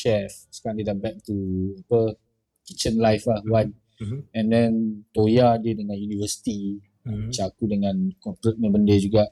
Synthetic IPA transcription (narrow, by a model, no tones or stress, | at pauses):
ʃɛf | skãlidabɛk̚t̪uapə | kit͡ʃə̃nlajflahwãn | ɛ̃ndɛ̃nt̪ojadiədəŋãnjunivəsi̥t̪i | at͡ʃakudəŋãnkɔpɾət̚mãbəndəd͡ʒuɡaʔ